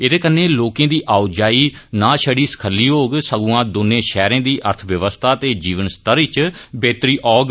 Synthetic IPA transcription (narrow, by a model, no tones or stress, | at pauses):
eːd̪eːkənːẽːloːkẽːd̪iːʔaːud͡ʒaːiː | nãːʃəɽiːsə̥kʰəlːiːɦoːɡsəɡuãːd̪ʊnːẽːʃɛːɾẽãːd̪iːʔəɾt̪ʰʋjəʋəst̪ʰaːt̪eːd͡ʒiːʋənst̪əɾiːt͡ʃbeːt̪ɾiːʔɔːɡ